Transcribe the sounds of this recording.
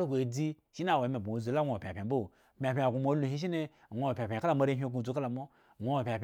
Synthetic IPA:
ɾɡʷe˨e˨d͡zi˦ʃi˦na˦˨wa˨me˨bu˨wo˨zo˨˦la˦ŋo˦˨a˨pʲa˨pʲe˨˦bo˦˨pʲa˨pʲẽ˨a˨ɡʷu˨mo˦lu˨ɦi˦ʃ̬i˦ne˦˨ | ŋʷo˨˦o˨pʲa˨pʲe˨ka˦la˨mo˦ɾe˦ɦʲo˦ɡu˨d͡zu˨˦ka˦la˨mo˦˨ | ŋʷo˨˦o˨pʲa˨pʲ

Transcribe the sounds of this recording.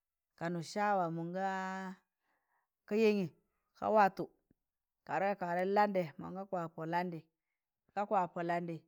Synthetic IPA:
ka˨nu˨ʃa˦wa˨mu˨ŋɡa˦ | ka˦je˦ŋi˨ | ka̰˦wa˦tu˨ | ka˨ɾe˦ka˦ka˨ɾe˦la˦nde˨ma̰˨ŋɡa˦kʷa˨po˨la˦ndi˨ | ka˦kwa˨po˨la˦ndi˨

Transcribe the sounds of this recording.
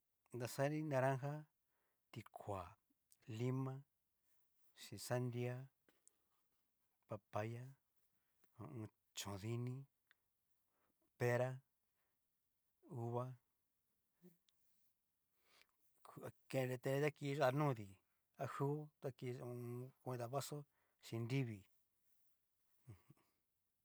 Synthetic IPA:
nd̪a˧sa˦ɾĩ˦nã˧ɾã˦ɦa˦ | t̪i˧kʰʷa˨ | li˦mã˦ | ʃĩ˧sa˦nd̪i˦a˦ | pa˧pa˧ja˦ | õ̰˧ũ˧ | t͡ʃõ˨ði˧nĩ˦ | pe˧ɾa˦ | u˧βa˦ | ka˧kẽ˧ɾe˧t̪ẽ˧ɾe˧t̪a˦ki˧ʒa˦˧nũː˦˧ði˨ | a˦hu˦t̪a˦ki˧ũ˧kʷẽ˧d̪a˧βa˦so˦ | ʃĩ˧ndi˦βi˨˧ | h

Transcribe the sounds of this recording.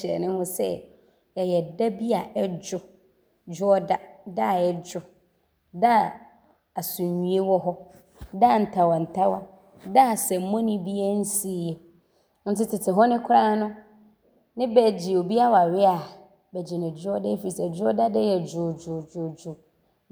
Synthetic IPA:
ɪ˨ɛ̰˨nɪ̃˦hʊ̃˦sɛ̰˦ | ɛ˨jɛ˨da˦bi˦a˨ʔɛ˦d͡ʑʊ˦ | d͡ʑʊ˦ɔ˦da˦da˦˨ɛ˨d͡ʑʊ˨ | da˦˨ | a˨sũ˨ɲũ˨˦e˦wɔ˦ɦɔ˦ | da˦˨n̩˨tʰa˨wã˨n̩˨tʰa˦wa˦ | da˦˨sɛ˨m˨mɔ̃˦nɪ̃˦bi˦a˦n̩˦si˦˨˦jɛ˨ | n̩˦tɪ˦tʰɪ˨tʰɪ˨ɦɔ˦nɪ̃˦kʷʰʊ˦ɾã˦nʊ̃˦ | nɪ̃˦bɛ˨d͡ʑɪ˨o˨bi˦a˦wa˨ɥɪ˦a˨ | bɛ˨d͡ʑi˨nɪ̃˨d͡ʑʊ˦ɔ˦dɛ˦fi˨i˨sɛ˨d͡ʑʊ˦ɔ˦da˦dɛ˦jɛ˨d͡ʑʊ˨d͡ʒʊ˨d͡ʒʊ˨d͡ʒʊ˨

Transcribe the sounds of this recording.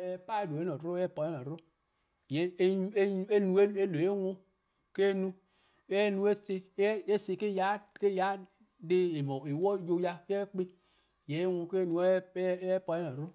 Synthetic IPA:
pa˦e˦do˨e˦no˨ɾɾo˦ɛ˦pɔ˨e˦no˨ɾu˦˨ | je˨˦u˦e˦e˦nu˨˦e˦no˨e˦wo˦ | ke˦nu˦ | e˦nu˦e˦se˦e˦se˨ke˦ja˦ke˦ja˨˦ | de˦e˨mo˨e˨wɔ˦jo˦ja˦ke˦e˦k͡pe˦ | je˨˦e˦wõ˦˧ke˦nu˨˦pɔ˨˦e˦no˨ɾu˦

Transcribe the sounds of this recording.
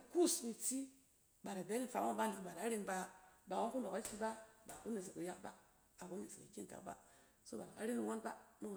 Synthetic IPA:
ku˦smi˨ti˦ | ba˨ɾa˨be˦ni˦˨fa˨˦o˦ba˦n˨di˨ba˨ɾa˨˦ɾi˦˧nba˧ba˨wo˦ku˦ndo˨ka˦ti˧ba˦ba˨ku˦ni˨s̬i˨ki˨ja˦k̚ba˦ | a˨ku˦ni˨si˨ki˨kʲi˦˨ta̰˨k̚ba̰˦ | so˦ba˨a˨ka̰˦ɾi˦ni˧wo˦nba˦mu˦˨

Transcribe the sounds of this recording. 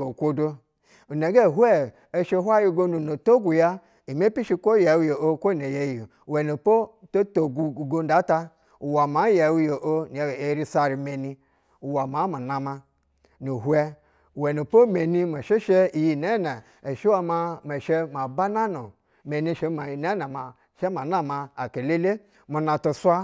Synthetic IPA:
o˨kʷo˦do˦ | u˨ne˨ɡe˦˨ɦu˦e˦ | e˦ʃe˦ɦʷa˦ji˦ɡo˦nu˨no˨to˦ɡu˨ja˦ | i˨me˦pi˦ʃi˦kʷo˦je˨wjo˨o˦kʷo˦˨ne˨je˨ji˨we˨no˨po˦to˦to˨ɡu˨ɡo˦n˦da˨˦ta˦ | u˨wa˨ma˨˦je˨wu˦jo˨ʔo˦ni˨we˦ɾi˦sa˦ɾi˨me˨ni˦ | u˨wa˨ma˨˦ma˨na˨ma˧ | nu˨ɦwɛ˦˨ | we˨no˨po˦me˨ni˦ma˨ʃe˦ʃe˦i˨ji˨ne˦na˨ | e˨ʃi˦wa˨ma˦me˨ʃe˦ma˨ba˦na˦no˨ | me˨ni˦˨ʃe˦ma˨ne˦na˨ma˨ | ʃe˦ma˨na˦ma˨a˨ke˨le˦le˦ | mu˨na˨to˨swa˦

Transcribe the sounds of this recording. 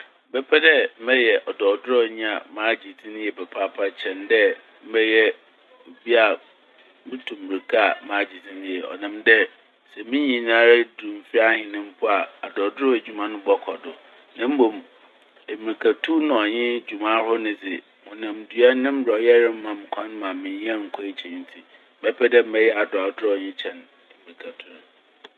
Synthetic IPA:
bɛ˦pʰɛ˦dɛ˦m̩˦mɛ˦jɛ˨ʔɔ˨dɔː˨dʊ˦ɾɔ˦˨ɲĩ˦a̰˨mãː˦d͡ʑi˨dʰĩ˦ñ˦jɛ˨bɛ˨pʰa˦pʰa˦t͡ɕʰɛ̃˨ndɛ˦ | m̩˦bɛ˦jɛ˦ | o˨bi˦a˨ | mɪ̃˦tʰũ˨m̩˨i˨kʰa˦a˨mãː˨˦d͡ʑi˨dʰĩ˦ñ˦jɛ˨ɔ̰˨nã˨mdɛ˦ | sɛ˨mĩ˦ɲĩ˨nãː˦ɾa˦dũ˨m˨fi˦a˦hɪ̃˨nɪ̃˦m̩˦pʰʊ˦a˨a˨dɔ˨dʊ˦ʊ˦e˨d͡ʑᶣu˨mã˦nʊ̃˦bɔ˨kʰɔ˨dʊ˨ | nã˦m̩˦bõ˨m | e˨mi˨i˨kʰa˨tʰu˦nʊ̃˨ɔ˨ɲɪ̃˦d͡ʑu˨mã˦hʊ˦nɪ̃˨d͡zɪ˨ | mʊ̃˨nã˨mdɥa˦nɪ̃˦m̩˦bɾa˨ɔ˨jɛ˦ɾɪ̃˦m̩˦mã˨m˨kʷʰã˦n˦mã˨mɪ̃˨ɲĩ˦a˦ŋ̩˨kʰɔ˦i˦t͡ɕʰɛ̃˨n̩˦tʰi˨˦ | bɛ˦pʰɛ˦dɛ˦m̩˦bɛ˦jɛ˦a˨da˨dʊ˦ɾɔ˨ɲɪ̃˦t͡ɕʰɛ̃˨n | e˨mi˨i˨kʰa˨tʰu˦n˦

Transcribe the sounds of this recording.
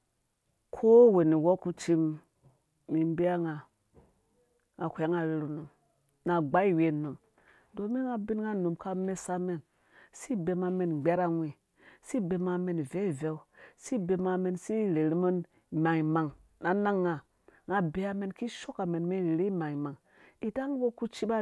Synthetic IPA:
kʰo˦we˨ni˨wo˦ku˦t͡ʃi˦m | mi˨m˦be˦a˦ŋa˨ | ŋa˨kʷa˦ŋa˨ɾe˨ɾi˨nu˨m | na˨ɡ͡ba˦i˦we˨nu˨m | do˨mi˦ŋa˨bi˦nŋa˦nu˨mka˦me˦sa˦me˦n | si˦be˨ma˨me˨n˨ɡ͡be˦ɾa˦ŋʷi˨ | si˦be˨ma˨me˨n˨ve˦˨ve˦u˦si˦be˨ma˨me˨nsi˦˨ɾe˨ɾi˦mo˦n | ma˨ŋi˨ma˨ŋna˨na˦ŋːa˨ | ŋa˨be˨a˦me˨nki˦ʃo˦ka˨me˨nme˦ɾɾi˦ma˨ŋi˨ma˨ŋ | i˨ta˦ŋ˦bo˦ku˦t͡ʃi˦ba˦

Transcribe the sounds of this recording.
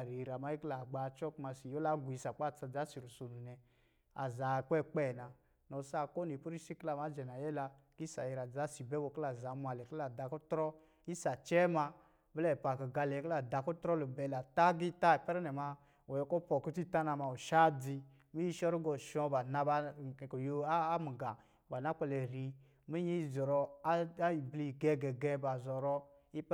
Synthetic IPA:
ɾi˨ɾa˨ma˦ji˦kla˨ɡ͡ba˨˦t͡ʃɔ˦ku˦ma˧si˨jo˦la˦ɡʷi˧sa˨k͡pa˦˨t͡sa˧d͡za˨˦si˨ɾu˨so˨nu˨nɛ˨ | a̰˨za˨˦˨k͡pɛ˦˨k͡pɛ˦˨na˨ | nɔ˨sa˦˧˨ko˦ni˨pu˦ɾi˦si˦kla˧˨ma˨˦d͡ʒɛ˨na˨jɛ˦la˧ | ki˦sa˨jɛ˧ɾa˨d͡za˨˦si˨bɛ˦wo˧kla˨za˨˦mʷ˧a˨lɛ˨ki˦la˨da˧kɔ˦tɾɔ˦ | i˦sa˨t͡ʃɛ˦ma˧ | bɛ˦lɛ˦˨pa˨kɔ˨ɡa˧lɛ˨i˧kla˨da˧ku˦tɾɔ˦lu˨bɛ˧la˨ta˦ɡi˦ta˦˨pɛ˦ɾɛ˦nɛ˨ma˧ | wo˨jɔ˧˨kɔ˦pɔ˨ku˦ti˦˨ta˦na˧ma˧˨u˨ʃa˦di˧ | mi˦ji˦ʃɔ˦ɾi˦ɡɔ˨ʃɔ˧ba˨na˧ba˧˨kɔ˨jo˧a˦mi˨ɡa˨ | ba˨na˦k͡pɛ˧le˨ɾi˧ | mi˦ji˦i˦˨zɔ˨ɾɔ˧˦ | i˨bli˦˨ɡɛ˧ɡɛ˨ɡɛ˧ba˨zɔ˨ɾɔ˧ | i˦

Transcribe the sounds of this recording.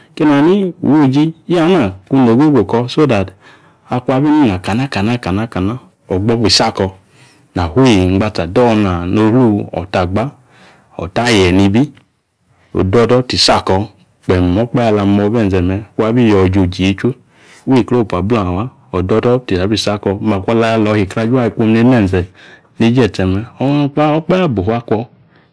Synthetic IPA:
ke˦na˨ni˦ṵ˨wo˦˨d͡ʒi˧˦a˦na˨ku˧no˨ɡʷe˦ɡo˨kɔ˧so˦da˨t | a˧ku˦a˧bi˦ni˦˨na˨ka˨na˦ka˨na˦˨ka˨na˦ka˨na˦ | ɔ˨ɡ͡bɔ˧˦bi˨sa˦˨kɔ˧ | na˨hwe˦˨ŋ͡m̩˨ɡ͡ba˧ta˨dɔ˦˧na˨no˧˦hu˦ɔ̰˨ta˨ɡ͡ba˦ | ɔ̰˨ta˦˨jɛ˨ni˧bi˦ | o̰˨dɔ˦dɔ˦ti˨sa˦˨kɔ˧ | k͡pɛ˨m˨ɔ˨˦k͡pɛ˦a˧la˧˦mɔ˧bɛ˦˨zɛ˨mɛ˧ku˦a˧˦bi˦˨jɔ˨d͡ʒo˨d͡ʒi˨e˨˦t͡ʃʷe˦ | we˦˨ko˦˨pa˨bla˦˨a˨wa˦ | ɔ˨dɔ˧˦dɔ˦ti˨a˨˦bi˦˨sa˦˨kɔ˧˦ma˨kʷɔ˧la˧ja˧lɔ˨˧hi˨kɾa˧d͡ʒu˦a˦i˧˨k͡po˧mne˧˦mɛ˦˨n˨zɛ˨ | ne˦d͡ʒɛ˦˨tɛ˧mɛ˧ɔ˧˦˧k͡pa˦ɔ˦k͡pɛ˦a˦˨bo˨˦a˦kʷɔ˧

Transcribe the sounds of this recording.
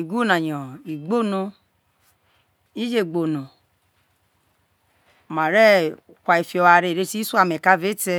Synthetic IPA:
i˨ɡu˦nã˨jɔ̃˨i˨ɡ͡bo˦˨nũ˧ | i˦d͡ʒe˦˨ɡ͡bo˨nũ˨ | mã˨ɾɛ˦˨ | kʷa˧i˨˧fi˧ɔ˧wa˧ɾe˧˨ɾe˦˧˦ti˦su˦a˦˨mɛ˨ka˧˦ve˦tɛ˧

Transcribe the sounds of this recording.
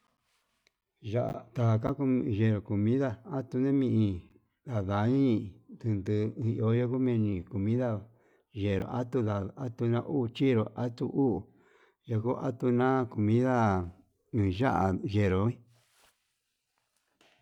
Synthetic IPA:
ʒa˦ʔt̪a˨˧ka˦ku˧˨ʒe˧˨ɾo˨ku˨mĩ˦ða˦a˦t̪u˧nẽ˦mĩ˧ʔĩ˧ | da˨ða˨˦ɲĩ˦t̪ɨ˧nd̪ɨ˧ĩ˧ʔo˧˦jo˧ku˦mẽ˧nĩ˧ko˨mĩ˦ða˦˨ | ʒe˨ɾo̰˨ʔa˦t̪u˧ða˨a˦t̪u˧nã˧˦ʔu˦˧t͡ʃi˦ɾo˨ʔa˦t̪u˧ʔu˦˨ | jo˧ku˦ʔa̰˦t̪u˧nã˦ko˨mĩ˦ðã˦˨ | ʒa̰˦ʔa˨ʒe˨ɾo˨ĩ˦

